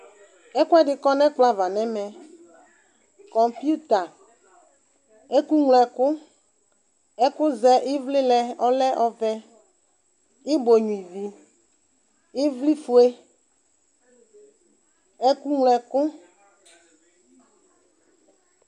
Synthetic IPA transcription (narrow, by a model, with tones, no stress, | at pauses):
ɛ˦kʊ˦ɛ˦dɪ˦kɔ˦nɛ̃˦k͡pla˨va˨nɛ̃˦mɛ̃˨ | kɔ˨mpi˦u˦t̪a˨ | e˦ku˦ŋlɛ˨kʊ˦ | ɛ˦kʊ˦zɛ˦ʔɪ˦vlɪ˦lɛ˦ɔ˦lɛ˦ʔɔ˦vɛ˦ | ɪ˦bo˨ɲũ˨i˨vi˨ | ɪ˦vli˦fu˦e˦ | e˦ku˦ŋlɛ˨kʊ˦